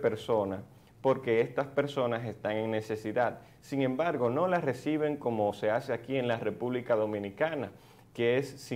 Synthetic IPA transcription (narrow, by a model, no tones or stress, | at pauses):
pe̞ɾso̞nas | po̞ɾke̞est̪aspe̞ɾso̞nase̞st̪aŋe̞ŋne̞se̞siðad̪̚ | siŋẽ̞mbaɾɣo̞no̞lasre̞siβ̞e̞ŋko̞mo̞se̞ase̞akie̞nlare̞puβlikaðo̞mĩnikana | ke̞esːi